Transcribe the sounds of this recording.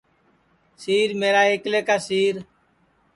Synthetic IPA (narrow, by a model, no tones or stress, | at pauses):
siːɾmeːɾaːɦɪkleːkaːsiːɾ